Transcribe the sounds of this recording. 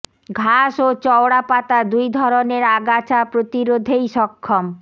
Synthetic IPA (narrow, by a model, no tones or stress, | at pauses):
ɡʱaʃot͡ɕɔwɽapat̪ad̪ujd̪ʱɔɾoneɾaɡat͡ɕapɾot̪iɾod̪ʱejʃɔkʰːom